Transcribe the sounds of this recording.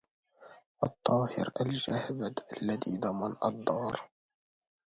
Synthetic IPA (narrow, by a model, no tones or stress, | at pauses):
ʔɑt̪ˤːɑːhɪ̰ɾʔald͡ʒahbad̪ʔalːaðiːd̪ˤɑmɑnʔɑ̰d̪ˤːɑːɾˤ